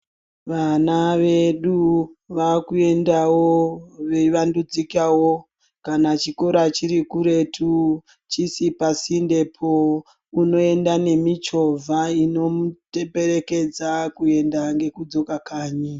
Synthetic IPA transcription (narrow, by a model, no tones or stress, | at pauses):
ʋanaʋe̞ɗuʋakue̞ndawoʋeʋandud͡zikawo | kanat͡ʃiko̞ɾat͡ʃiɾikuɾe̞tʰu | t͡ʃisipasinde̞pʰo | uno̞e̞ndane̞mit͡ʃo̞vʱaino̞mutepe̞ɾe̞ke̞d͡zakue̞ndaŋɡe̞kud͡zo̞kakaːɲi